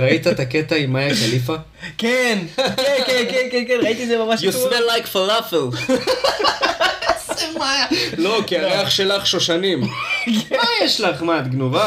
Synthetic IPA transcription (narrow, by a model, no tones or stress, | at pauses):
ʁait̪aet̪aket̪aimːajakalifa | kenekenkenkenkenʁait̪iezemamaʃjusbelːajkfalafel | zemajalo̞kiaʁeaχʃelaχʃoʃanimkmajeʃlaχmad̪ɡnuva